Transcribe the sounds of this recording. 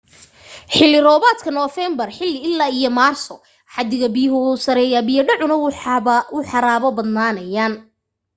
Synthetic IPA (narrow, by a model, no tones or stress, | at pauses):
ħɪlːɪɾɔːβaːt̪kʰɐnɔːfɛːmbɐrħɪlːɪɪlːaːijɔmaːrsɔ | ħɑd̪ɪɣɐbɪjʊɦʊsɐɾɛːjaːbɪjɐɖɔʕʊnɐ | ʊħɑɾaːβɔbɐd̪naːnɐjaːn